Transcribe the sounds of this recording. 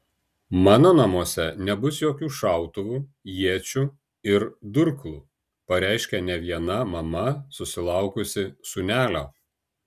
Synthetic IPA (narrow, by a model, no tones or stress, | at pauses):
mɑːnoːnɐmuɔsʲɛnʲɛbʊsjoːkʲuːʃɑˑʊt̪ʊʋuːjiɛt͡ʃʲʊ | ɪɾd̪ʊɾklˠuː | pɐɾʲæɪʃʲkʲɛnʲɛʋʲiɛnɐmɐmɐsʊsʲɪlˠɑˑʊkʊsʲɪsʊnʲæːlʲoː